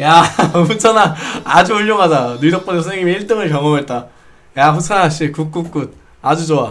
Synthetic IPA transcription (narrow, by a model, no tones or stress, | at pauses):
jamut͡ɕʰanaːd͡ʑuuɭːoŋɦad͡ʑanuidok̚p͈ʌnessʰɯneŋimeiɭt͈ɯŋɯɭkʌŋʌmet̚t͈a | jaɸʰusʰanaŋaɕ͈ikuk͈̚uk͈ud̚ | ad͡ʑud͡ʑoa